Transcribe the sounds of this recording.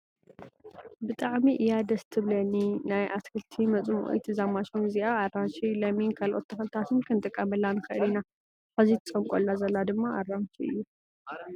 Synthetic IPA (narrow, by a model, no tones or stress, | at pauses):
bɨt̪ʼaʕmiʔɨjad̪ɐst̪ʰɨβlɐninajʔaskʰɨlt̪ʰimɐt͡sʼɨm̰ʔṵjt̪ʰɨzamaʃunɨziʔaːrːanʃilɐminkʰalʔot̪ːʰɐxɐlt̪ʰat̪ʰɨnkʰɨnt̪ʼɨkʼːɐmɐlːanɨxɨɨlina | ħazit̪ʰɨ̥t͡sʼɐmkʼolːazɐlːad̪ɨmːaʔarːanʃiɨ̰jːu